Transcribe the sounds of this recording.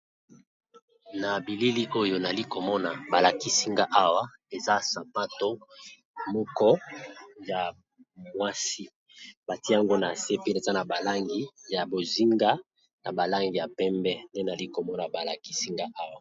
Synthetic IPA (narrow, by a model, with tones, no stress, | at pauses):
na˨bi˨li˦li˦ʔo˦jo˦na˨li˦ko˨mɔ˦na˨ba˨la˨ki˦si˦ŋɡa˦ʔa˦wa˦ | e˨za˦sa˨pa˦to˦ | mɔ˦kɔ˦ja˨ | mwa˦si˦ | b̥a˨ti˦a˦ŋɡo˦na˨se˦˨pi˦e˨za˦na˨ba˨la˦ŋɡi˦ja˨bo˨zi˦ŋɡa˦ | na˨ba˨la˦ŋɡi˨ja˨pɛ˦mbɛ˦nde˦na˨li˦ko˨mɔ˦na˨ba˨la˨ki̥˦si˦ŋɡa˦ʔa˦wa˨